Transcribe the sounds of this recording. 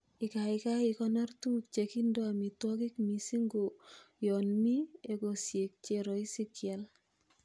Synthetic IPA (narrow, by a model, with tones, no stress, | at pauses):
i˨ka˨ika˦ikɔnɔ˦rtu˦k̚t͡ʃeki˦ndo˦a˨mi˨twɔ˦ki˦kmi˨si˦ŋɡo˨jɔnmi˦e˨kosje˨k̚t͡ʃeɾɔ˨i˦sikja˨l